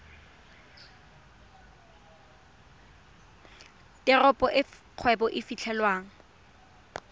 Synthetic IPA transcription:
tɪrɔpʼɔʔɪ | q͡χʰwɛbɔʔɪfit͡ɬʰɛlwaːŋ̩

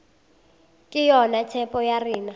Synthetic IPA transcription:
kʼɪjɔnatʰɛpʼɔjariːna

